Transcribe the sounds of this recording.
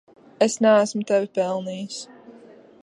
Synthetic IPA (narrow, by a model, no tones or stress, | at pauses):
esnæːsmʊt̪ɛvʲɪpɛlˠniːjus